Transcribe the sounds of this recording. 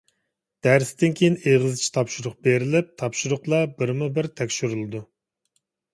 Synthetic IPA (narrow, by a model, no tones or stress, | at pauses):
d̪̥æɾsd̪ɪnkʲʰejineʁɨzt͡ʃʰi̥t̪ʰɑpʃuɾʊχbeɾɪlɪp̚t̪ʰɑpʃuɾʊχlˠɑbɪɾmubɪɾt̪ʰɛkʲʃyɾɨlˠɨd̪u